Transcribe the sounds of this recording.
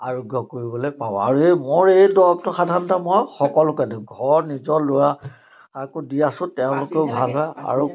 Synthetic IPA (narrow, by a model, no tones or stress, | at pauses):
aɹɔɡʱːɔkoɹibɔlejpaba̰ɹuemoɹejdɔɔk̚tʊxadʱaɹnɔtamɔjxɔkɔlʊkadiɡʱɔɹnizɔlʊɹa | akodiasʊ̃tɛʊ̃lʊkeʊbʱalɦɔja̰ɹu